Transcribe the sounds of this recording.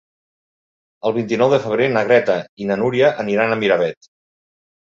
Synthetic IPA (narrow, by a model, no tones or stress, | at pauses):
əlˠβint̪inɔwðəfəβ̞ɾenəɣɾɛt̪əinənuɾiəʔəniɾanəmiɾəβ̞ɛt̪